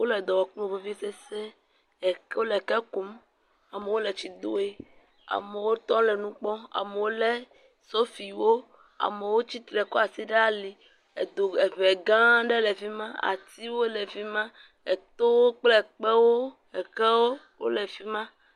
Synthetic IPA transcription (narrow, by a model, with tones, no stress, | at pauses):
wo˦lɛ˨d̪ɔ˨wɔ˨k͡põ˦˨ve˦vi˦se˦se˦ | ɛ˨ko˦lɛ˨kɛ˦ku˨˦m | a˨me˨wo˦le˨t͡ʃi˨d̪o̰˦e˦ | a̰˨mɛ˨wo˦t̪ɔ̃˦lɛ˨nũ˦k͡pɔ˦a̰˨mɛ˨wo˦lɛ˦ | so˦fi˨wo˦ | a̰˨mɛ˨wo˦t͡ɕi˦t̪ɾɛ˨ko˦a˨si˦ɖe˦a˦li˨ | e˨d̪o˨e˨βɛ˨ɡã˦ɖɛ˦lɛ˨vi˦mã˦a̰˨t̪i˦wo˦lɛ˨vi˦mã˦ | ɛ˨t̪o˦wo˦k͡plɛ˦k͡pɛ˦wo˦ | ɛ˨kɛ˦wo˦ | wo̰˦lɛ˨fi˦mã˦